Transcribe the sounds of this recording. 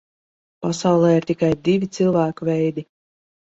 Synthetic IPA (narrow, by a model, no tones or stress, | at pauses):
pasawlˠɛːiɾt̪ʲikajd̪ivʲit̪sɨlˠvæːkuvɛjd̪i